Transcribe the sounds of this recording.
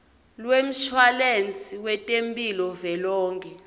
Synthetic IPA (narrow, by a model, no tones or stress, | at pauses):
lwem̩ʃwalent͡sʼiwɛtʼempʼilɔvɛlɔːŋkʰʼɛ